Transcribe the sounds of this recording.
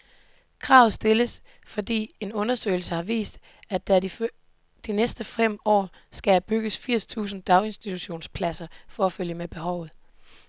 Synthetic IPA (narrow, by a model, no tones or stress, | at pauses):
kʰʁɑ̈ʊð̩ˠsd̥e̝ləs | fɒ̽d̥ḭːe̝nɔ̽nɐsø̰ɪl̩səhɑ̈ʋḭːsd̥ | æd̥æ | d̥inesd̥əfem̰ɒ̰ː | sɡ̥ææb̥yɡ̥əsfiɐ̰st͡sʰṵːsn̩d̥ɑ̈ʊe̝nsd̥it͡sʰuɕo̝̰ːnspʰlæsɐfɒ̽æføl̰jəmeb̥e̝ɦɒʊð̩ˠ